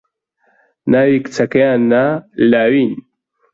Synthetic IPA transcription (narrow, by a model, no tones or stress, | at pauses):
naːwikt͡sʰɐkɐjaːnːalaːwin